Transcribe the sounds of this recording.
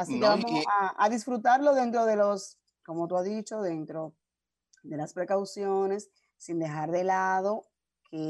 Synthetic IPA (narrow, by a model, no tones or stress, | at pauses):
asikeβamosaa̰ðis̬fɾut̪aɾlo̞ðe̞nt̪̬ɾo̞ðe̞lo̞s | ko̞mo̞t̪uazðit͡ʃo̞ðe̞nt̪ɾo̞ | d̪e̞laspɾe̞kawsjo̞ne̞sː | ind̪exaɾðe̞laðo̞ | kʰe